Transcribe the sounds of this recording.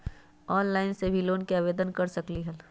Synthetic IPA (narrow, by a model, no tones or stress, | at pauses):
ɔːnlaːɪnsebʱiloːnkeaːʋeːd̪ənkɐɾsɐkliɦɐl